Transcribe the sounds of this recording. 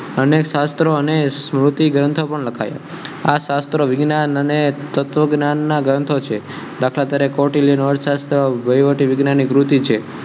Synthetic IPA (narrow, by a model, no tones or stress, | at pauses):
ənekʃast̪ɾoənesmɾut̪iɡɾə̃nt̪ʰopəɳləkʰaja̰ | aʃast̪ɾoʋɪɡnanənet̪ət̪ʋəɡnanːaɡɾə̃nt̪ʰot͡ʃʰe | d̪akʰlat̪jaɾekɔʈiljənɔɾʃast̪ɾoʋəjʋəʈiʋɪɡnanikɾut̪it͡ʃʰe